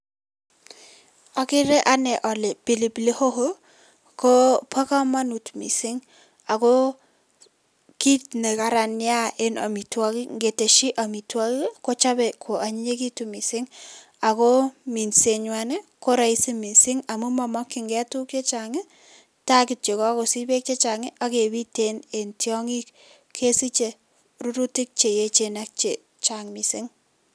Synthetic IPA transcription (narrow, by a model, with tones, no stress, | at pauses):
a˨kɪ˦ɾɛ˦ʔa˦nɛ˨ʔɔ˨le˨pi˨li˨ple˦ho˦ɦo˦ | ko˦pwa˦ka˦ma˦nu˨tmḭ˨sɪ˦ŋ | a˨ko˦ | ki˦t̚ne˨ka˨ɾa˨nɪ˦a˦e˦na̰˨mi˨twa˦ki˦ŋɡe˨te˨ʃi˦ʔa˨mi˨twa˦kko˦t͡ʃa˦bɛ˨kʰo˨ʔa˨ɲi˦ɲe˦ki˦tu˨mi˨sɪ˦ŋ | a˨ko˦mi˨nse˨ɲwane˦ko˦ɾa˨i˦si˦mi˨sɪ˦ŋa˨mu˦mɔ˨mɔ˦kːi˨ŋɡɛ˦tu˦k̚t͡ʃe˦t͡ʃa˨ŋɪ˦ | ta˦kɪ˨t̚t͡ʃe˨kɔ˦ko˨si˦be˦k̚t͡ʃe˦t͡ʃa˨ŋɪ˦ʔa˦ke˨bi˦tene˨ntjɔ˦ŋi˦k | kʰe˦si˦t͡ʃe˨ | ru˦ɾu˦ti˦k̚t͡ʃe˨je˦t͡ʃe˨nak̚t͡ʃe˨ | t͡ʃaŋmi˨si˦ŋ